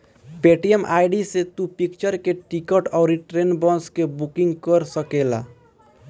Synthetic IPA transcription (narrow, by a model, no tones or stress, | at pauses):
peʈiemʔajɖiset̪upikt͡ʃəɾkeʈikəʈaʊɾiʈɾenbɔ̃skebukiŋɡkəɾsəkela̰